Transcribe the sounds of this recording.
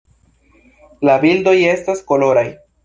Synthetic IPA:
labildo̞je̞stasko̞lo̞ɾaj

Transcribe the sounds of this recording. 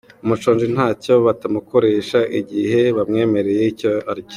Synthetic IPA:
umut͡ʃoːnd͡ʒin̥haːco̞βatamuko̞ɾe̞ːʃaʔiɟihe̞βamŋe̞ːme̞ɾe̞jeicoaɾɟ

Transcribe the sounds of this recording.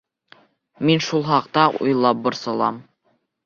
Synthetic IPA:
minʃulˠχɑqt̪ɑṵjlˠɑp̚bŏɾsɤ̆lˠɑ̰m

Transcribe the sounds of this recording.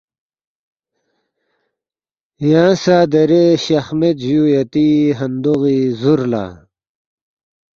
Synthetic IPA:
jãːsaːd̪ɐɾeɕɐxmet̪ʑujɐt̪iɦɐnd̪uɣizuɾla̰ː

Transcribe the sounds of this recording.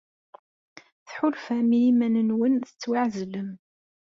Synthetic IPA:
θħʊlfæmilimænənwənθə̥t͡sːwɪʕzəlːəm

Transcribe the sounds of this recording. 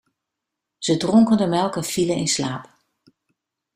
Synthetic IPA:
z̥ədrɔŋkəndəmɛlˠkəfiləɪnslaːp

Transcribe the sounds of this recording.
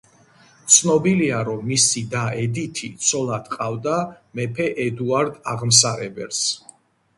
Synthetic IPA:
t̪sʰnɔbiliaɾɔmːisid̪aɛd̪it̪ʰit̪sʰɔlˠad̪̥qʼavd̪a | mɛpʰɛʔɛd̪uaɾd̪aʁms̬aɾɛbɛls

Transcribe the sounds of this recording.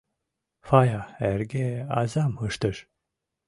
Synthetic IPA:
fajaæɾɡʲɛazamhɯʃt̪ɯɾ̥

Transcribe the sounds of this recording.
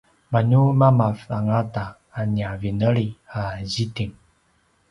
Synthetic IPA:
maɲumamafaŋataː | niavinəliazitiŋ

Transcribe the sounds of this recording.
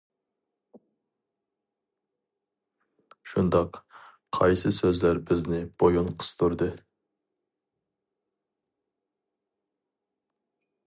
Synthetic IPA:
ʃund̪ɑq | qʰɑjsɨsøzlæɾbɪznɪb̥ojunqʰə̥st̪ʰuɾd̪ɨ

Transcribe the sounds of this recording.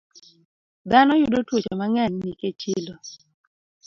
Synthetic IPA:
d̪anɔjudotwot͡ʃomaŋɛnniket͡ʃɪlo

